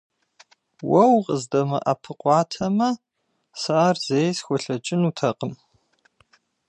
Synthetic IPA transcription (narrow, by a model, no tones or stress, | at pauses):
wɐwqʼəzdɐmɐ̰ʔapʰɨqʷʼɑːtʰɐmɐ | saːrzejsxʷɔɬɐt͡ʃʼɪnuːtʰɐqəm